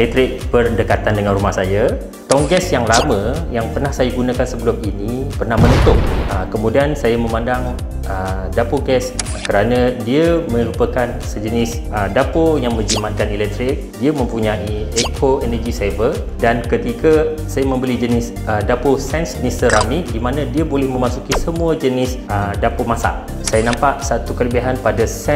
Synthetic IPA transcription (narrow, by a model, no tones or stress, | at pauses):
lɛt̪ɾɪk̚pərdəkat̪andəŋãnɾumahsaja | t̪ɔŋɡɛsjaŋlamə̃jaŋpərnahsajaɡunãkansəbəluminipərnahmənət̪ʊʔ̚əkəmudiansajamə̃mãndaŋ | ə | dapoɡɛs | kəɾanə̃diəmə̃ɾupəkan | səd͡ʒənɪs | ədapojaŋmə̃ɲd͡ʒiman̚kanilɛk̚t̪ɾɪk̚diəmə̃mpuɲãʔiekʰoɛnəɡisavəldankət̪ikə | sajamə̃mbəlid͡ʒənɪs | ədaposɛnsnisəɾamidimanə̃diabolɪhmə̃masukisəmuəd͡ʒənɪsədapomasa̰ʔ | sajanãmpaʔsat̪ukələbaɦanpadasɛ